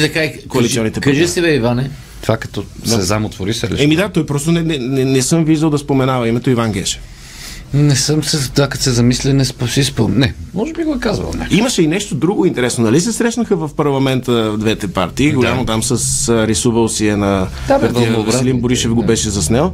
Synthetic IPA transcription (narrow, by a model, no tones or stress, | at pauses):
t̪ɐkaikoɐlit̪iɔnit̪ɛpkaʒɛst̪ɛβɛivanɛ | t̪vakɐ̥t̪ɔsɛzamot̪voɾisɐliɛmid̪at̪ɔjpɾɔst̪onɛnɛnɛnɛsɤmviʒd̪əlˠd̪ɐspomɛnavɐimɛt̪oivanɡ̟ɛʃɛ̥f | nɛsəmsɛd̪akɐt̪sɛzɐmislɛnɛsposisponɛmɔʒɛbiɡoɛkazvɐ̰l̰ˠnʲaiməʃɛinɛʃt̪od̪ɾuɡoint̪ɛɾɛsnonɐlisɛsɾɛʃnəxəvɐfpɐɾlˠɐmɛnt̪əd̪vɛt̪ɛpa̰ɾt̪iːɡollʲamot̪amsəsɾisuvəlˠsiɛnɐapɐɾt̪ioɾasɛlimboɾiʃɛfɡobɛʃɛzɐsnɛlˠ